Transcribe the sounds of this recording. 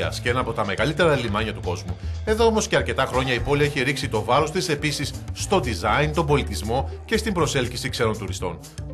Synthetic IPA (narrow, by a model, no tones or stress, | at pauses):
ɐ̰sceenɐnɐpo̞t̪ɐme̞ɣɐlit̪e̞ɾɐelimɐɲɐt̪uko̞zmue̞ðoomo̞sce̞ɐɾce̞t̪ɐxɾo̞ɲɐipo̞liɐeçiɾiksit̪o̞vɐɾo̞st̪ise̞pisisːt̪o̞d̪izɐint̪o̞mbo̞lit̪izmo̞ce̞st̪imbɾo̞se̞lçisikseɾo̞nt̪uɾist̪o̞n